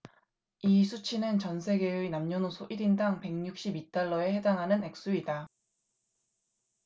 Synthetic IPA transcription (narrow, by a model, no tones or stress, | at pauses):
isʰut͡ɕʰinɯnt͡ɕʌnsʰe̞ɡe̞uinamɲʌnosʰoʔiɾindaŋpe̞ŋɲuk̚ɕ͈ibit͈aɭːʌe̞he̞daŋɦanɯne̞k̚s͈uida